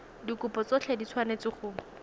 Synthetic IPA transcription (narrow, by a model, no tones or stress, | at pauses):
dikʊpɔt͡sɔt͡ɬʰɛdit͡sʰwanet͡sɪχʊ